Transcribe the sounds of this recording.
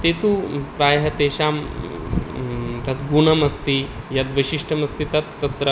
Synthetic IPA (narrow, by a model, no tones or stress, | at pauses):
t̪eːt̪upɾaːjɦɐt̪eːʃaːm | t̪ɐt̪ɡuɳɐmɐst̪i | jat̪ʋɐʃiʂʈʰɐmɐst̪it̪ɐt̪ːɐt̪ɾɐ